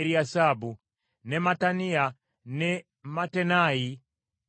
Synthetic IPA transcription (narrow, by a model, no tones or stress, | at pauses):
ɾiasabu | nɛmatania | nɛ | matɛnai